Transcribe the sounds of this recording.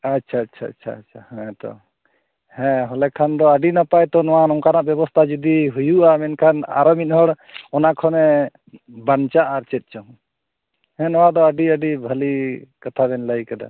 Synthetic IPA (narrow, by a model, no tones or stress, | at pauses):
atːt͡ʃʰaːtt͡ʃʰaːtt͡ʃʰa̰ːtt͡ʃʰahɛ̃t̪ɔ̰ | hɛ̃ɦɔlɛkʰand̪ɔəɖinapajt̪ɔnɔwanɔŋkanaʔbjɛbɔst̪ʰad͡ʒud̪iɦujuʔamɛnkʰana̰ɾɔmit̪̚ˀɦɔɽ | ɔnakʰɔnɛ | bant͡ʃaʔaɾt͡ʃɛt̪̚ˀt͡ʃɔ | hɛ̃nɔwad̪ɔəɖiəɖibʱəlikat̪ʰaβɛnlajkad̪a̰